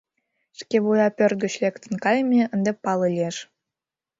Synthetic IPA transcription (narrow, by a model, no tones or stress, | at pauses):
ʃkeβujɑpʲørɡə̆t͡ɕlʲekt̪ə̆nkɑjmʲeənd̪epɑlɤlʲieʃ